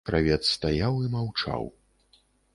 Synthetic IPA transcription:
kɾavʲɛt̪sst̪ajawimawt͡ʂa̰w

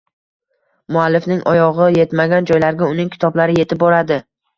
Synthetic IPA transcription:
mʊalːɪfnɪŋʔɒjɒʁɨje̞t̪maɡʲand͡ʒɒjlaɾɡʲaʊnɪŋkʲʰɪ̥t̪ʰɒblaɾɪje̞t̪ʰɪp̚bɒɾad̪ɪ

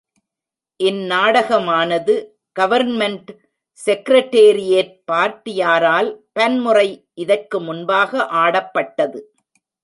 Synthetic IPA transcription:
ʔɪnnaːɽɐɣɐmaːnɐðɯ | ɡ̥ɐʋɐɾnmɛɳʈ | sɛkɪɾɐʈːeːɾɪjeɾ̚paːɾt̪ɪjaːɾaːlpɐnmʊrɐɪʔɪðɐrkɯmʊnbaːɣɐʔaːɽɐpːɐʈːɐðɯ

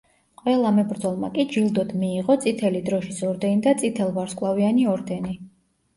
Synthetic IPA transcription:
qʼwɛlˠamɛbɾd̪zɔlˠma̰kʼid͡ʒilˠd̪ɔd̪miːʁɔt̪sʼit̪ʰɛlid̪ɾɔʃisɔɾd̪ɛnid̪at̪sʼit̪ʰɛlˠvaɾskʼlˠavianiɔɾd̪ɛni

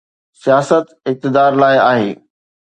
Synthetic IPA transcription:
sijaːsət̪ɪk̚t̪ɪd̪aːɾlaːɪa̰ːɦḛː

